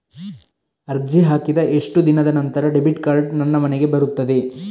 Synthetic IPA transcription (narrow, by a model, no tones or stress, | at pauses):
ɐɾd͡ʒiɦaːkid̪ɐʔe̞ʂʈud̪inɐd̪ɐnɐnt̪ɐɾɐɖebiʈkaːɾɖnɐnːɐmɐneɡe̞bɐɾut̪ːɐd̪e̞